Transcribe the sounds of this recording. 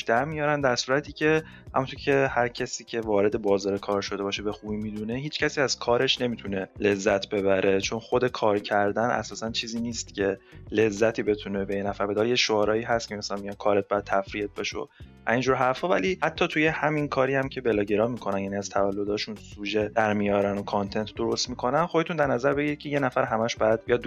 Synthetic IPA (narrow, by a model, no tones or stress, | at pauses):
ʃd̪æɾmijɒːɾænd̪æɾsuːɾæt̪ʰiːcʲʰe̞ | hæ̰munt̪ʰoɾcʰe̞hæɾcʰæsiːcʰe̞vɒːɾe̞d̪e̞bɒːzɒːɾekʰɒːɾʃo̞d̪ebɒːʃe̞be̞xubiːmid̪une̞ɦiːt͡ʃʰcʰæsiːæz̥kʰɒːɾe̞ʃne̞mit̪ʰune̞le̞zːæt̪ʰbe̞βæɾʔe̞t͡ʃʰo̞nxo̞d̪e̞kʰɒːɾcʰæɾd̪ænʔæ̰sɒːsænt͡ʃʰiːziːniːst̪cʰe̞le̞zːæt̪ʰiːbet̪ʰune̞bejenæfæɾbe̞d̪ɒɾejeʃoɒːɾɒːiːɦæst̪̚cʰemesænmijɒn̚kʰɒːɾet̪̚bæjæd̪̚t̪ʰæfɾiet̪̚beʃeo̰ | æind͡ʒuːɾɦæɾfhɒːvæ̰lihæt̪ʰːɒːt̪ʰuje̞hæminkʰɒːɾiːhæmcʰe̞belɒːɟeɾɒːmikʰo̞nænjæniæz̥t̪ʰævælːo̞d̪ɒːʃunsuːʒed̪æɾmijɒːɾænokʰɑnt̪ʰe̞nt̪ʰd̪o̞ɾo̞st̪mikʰo̞nænxod̪et̪ʰund̪æɾnæzæɾbe̞ɟiɾicʰeje̞næfæɾɦæmæʃbæjæd̪̚bijɒd̪